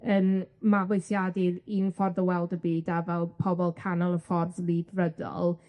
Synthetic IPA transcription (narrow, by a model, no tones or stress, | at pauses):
ənmavejθjadɪɾinfɔrðəwɛlˠdəbiːdavɛlˠpʰɔbɔlˠkʰanɔlˠəfɔrðlˠiːdrədɔ̰lˠ